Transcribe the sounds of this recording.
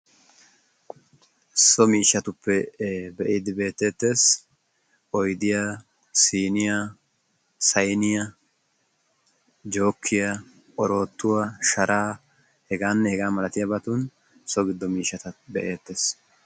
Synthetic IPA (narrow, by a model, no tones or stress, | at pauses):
sɔmiːʃːɐt̪ʊpːɛbɛʔiːd̪ɪbe̞ːt̪ːeːt̪ːe̞ːs | ʔɔjd̪ɪja | siːnɪja | sɐjnɪjɐ | d͡ʒo̞ːkʰːɪjɐ | ʔɔɾo̞ːt̪ːʊwɐʃɐɾʔaː | hɛɡaːnːɛhɛɡaːmɐlɐt̪ɪjɐbɐt̪uːn | sɔɡɪd̪ːɔmiːʃːɐt̪ɐbɛʔe̞ːt̪ːe̞ːs